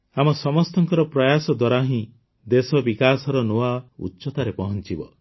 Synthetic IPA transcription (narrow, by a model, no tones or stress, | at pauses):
amɔsɔmɔst̪ɔŋkɔɾɔpɾɔjasɔd̪waɾaɦĩ | d̪esɔbikasɔɾɔnoaṵtːʃɔt̪aɾepɔɦɔnt͡ʃibɔ